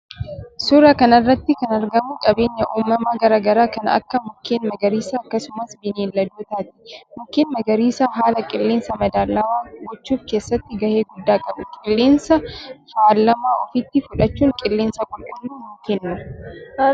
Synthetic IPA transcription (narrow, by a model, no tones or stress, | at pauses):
sʊɾɐkɐnɐrːɐt̪ːɪkɐnɐɾɡɐmʊkʼɐbe̞ːɲːɐʔuːmːɐmaːɡɐɾaːɡɐɾaːkɐnɐ̰kːɐmʊkːeːnmɐɡɐɾiːsaːkːɐsʊmɐsbɪneːlːɐd̪uːt̪aːt̪ɪ̥mʊkːeːnmɐɡɐɾiːsaːɦaːlɐkʼɪlːeːnsɐmɐd̪aːlːɐwaːɡɔt͡ʃːuːfke̞ːsːɐt̪ːɪɡɐhe̞ːɡʊd̪ːaːkʼɐbʊkʼɪlːeːnsɐfaːlːɐmaːɔfɪt̪ːɪfʊᶑɐt͡ʃːuːŋkʼɪlːeːnsɐɡʼʊlʔʊnːuːmʊkɪnːʊ